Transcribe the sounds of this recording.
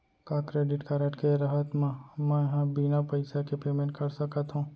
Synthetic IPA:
kakɾeːɖɪʈkaɾəʈkeɾɐɦət̪mãmɛ̃jɐɦãbinapɐɪsakepeːmẽɳʈ̚kɐɾsɐkət̪ɦũː

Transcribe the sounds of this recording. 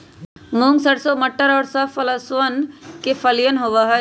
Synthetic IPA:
mũːŋɡsəɽsoːmɐʈːəɾɔːɾsɐfɐlɐsənkefɐlijənɦoːʋaɦɐ

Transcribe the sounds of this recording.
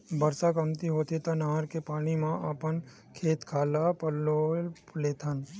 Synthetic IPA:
bɐɾsakɐmt̪iɦoːt̪it̪anaɦəɾkepaːɽ̃imãʔapən | kʰeːt̪kʰaːlapəloleːt̪ʰan

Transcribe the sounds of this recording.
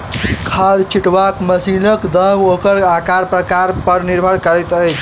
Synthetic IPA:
kʰad̪t͡ʃʰiʈʋakməsinəkd̪əmokəɾakaɾpɾəkaɾpəɾniɾbʱəɾkəɾɛt̪əjt͡ʃʰ

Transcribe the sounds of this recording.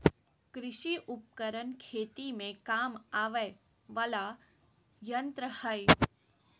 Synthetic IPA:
kɾɪʃiʔʊp̚kəɾənkʰeːt̪imẽkaːmaːʋə | ʋɐla | jənt̪ɾəhəj

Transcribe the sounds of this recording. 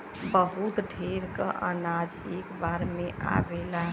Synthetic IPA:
bəɦut̪ɖʱeɾkəʔə̰nad͡ʒekbaɾmeʔa̰bela

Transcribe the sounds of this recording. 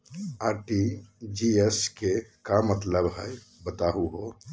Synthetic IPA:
aɾʈid͡ʒieskekamət̪ləbɦəj | bət̪aɦuɦo

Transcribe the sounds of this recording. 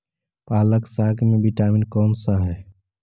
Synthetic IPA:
paːləksaːkʰmẽbiʈaːminkɔːnsaɦɛː

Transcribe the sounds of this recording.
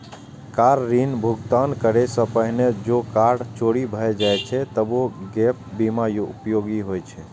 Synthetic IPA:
kaɾːinbʱuɡt̪ankəɾesə̃pəɦned͡ʒokaɾɽt͡ʃoɽibʱəjd͡ʒajt͡ʃʰɛt̪əboɡɛp̚bimajoupjoɡiɦojt͡ʃʰɛ

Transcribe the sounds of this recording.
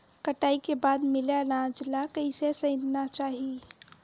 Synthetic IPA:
kəʈaːikebaːd̪mɪlalãːd͡ʒlakəɪsesə̃ɪ̃d̪nat͡ʃaːɦi

